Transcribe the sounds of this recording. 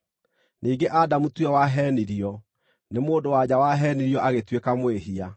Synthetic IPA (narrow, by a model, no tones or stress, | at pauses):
niːɡeʔadamutwɛwaɦɛːniɾiɔ | nemoːdowad͡ʑawaɦɛːniɾiɔʔaɣetwekamoweɦia